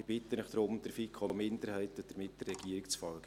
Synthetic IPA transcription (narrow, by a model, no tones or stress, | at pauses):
ɪb̥ɪt̪ːənəχd̥ɾʊmd̥̪əɾfikχɔmɪndəɾhɛɪt̪əd̥əɾmɪt̚d̥ərːɛɡ̥iːɾɪkt͡sfɑlɡ̥ə